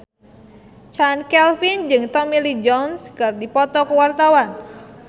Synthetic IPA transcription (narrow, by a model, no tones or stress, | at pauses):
t͡ʃankɛlfind͡ʒɨŋt̪ɔmilid͡ʒɔnskərdipɔt̪ɔkəwart̪awan